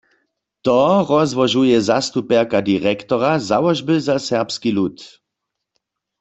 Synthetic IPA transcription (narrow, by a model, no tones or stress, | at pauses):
t̪ɔʁɔzʋɔʒujɛzast̪upɛʁkad̪iʁɛkt̪ɔʁazawɔʒbəzasɛʁpskilut̪